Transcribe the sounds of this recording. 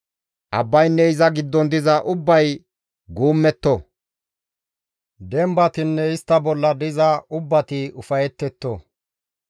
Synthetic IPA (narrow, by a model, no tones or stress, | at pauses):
ʔɐbːɐjnːɛɪzɐɡɪd̪ːɔnd̪ɪzɐʔʊbːɐj | ɡuːmːɛt̪ːɔ | d̪ɛmbɐt̪ɪnːɛɪst̪ːɐbɔlːɐd̪ɪzɐʊbːɐt̪ɪʊfɐjɛt̪ːɛt̪ːo